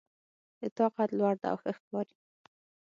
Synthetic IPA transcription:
d̪ət̪ɑqat̪lwaɽd̪a̰a̰wxəxkɑɾi̥

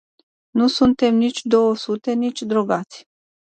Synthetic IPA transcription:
nusunt̪e̞mnit͡ʃʲd̪o̞wəsut̪e̞nit͡ʃʲd̪ɾo̞ɡat̪sʲ

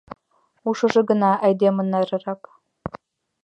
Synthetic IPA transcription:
uʃɤ̆ʒɤ̆ɡɤ̆nɑʔæjd̪emɤ̆nːɑɾɤ̆ɾɑk

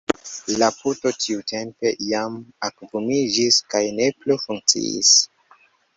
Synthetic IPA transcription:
laputo̞tʰiute̞mpe̞jamakvumid͡ʒiskajne̞plufuŋk̚t͡sḭḭs

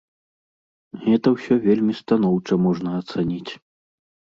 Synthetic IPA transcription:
ɣɛt̪ɐwsʲɔvʲelʲmʲist̪anɔwt͡ʂɐmɔʐnɐːt̪sanʲit͡sʲ

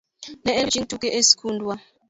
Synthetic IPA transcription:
nɛʔet͡ʃʼintʰʼuk̬ʼɛʔesi̥kʰuːndʱʼwa

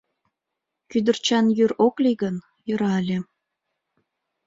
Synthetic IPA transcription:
kyd̪ərt͡ɕɑnjyɾokliɣən | jə̆ɾɑlʲe

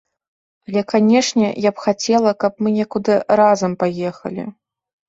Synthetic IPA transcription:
alʲɛkanʲɛʂnʲɛ̰japxat͡sʲɛlˠɐkɐpmɨnʲɛkud̪ɨɾazɐmpajɛxɐ̰lʲḭ

